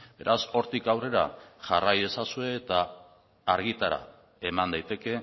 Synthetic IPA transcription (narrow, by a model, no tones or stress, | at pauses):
be̞̰ɾaso̞ɾt̪ikawre̞ɾa̰ʝaraje̞sasue̞ːt̪aː | ɾɣit̪aɾa̰ | e̞mand̪ajt̪e̞ke̞